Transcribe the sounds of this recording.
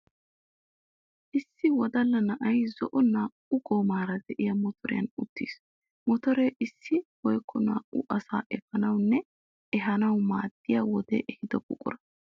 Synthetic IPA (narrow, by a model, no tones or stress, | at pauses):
ʔɪsːɪwɔd̪ɐlːɐnɐʔɐjzɔʔɔnaːʔʊɡɔːmaːɾɐd̪ɛʔɪjɐmɔt̪ʰɔɾɪ̰jɐ̰nʊt̪ːḭːs | mɔt̪ɔɾeʔɪsːɪwɔjkʰːɔna̰ːʔʊʔɐsa̰ːʔɛfɐnɐwnːɛ | ɛɦɐnɐwmaːd̪ːɪjawɔd̪ḛːʔɛhɪd̪ɔkʼʊ̰kʼʊ̰ɾɐ̥